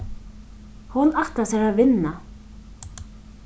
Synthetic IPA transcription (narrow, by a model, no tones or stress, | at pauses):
hʊnaht̪asɛɾaðvɪnːa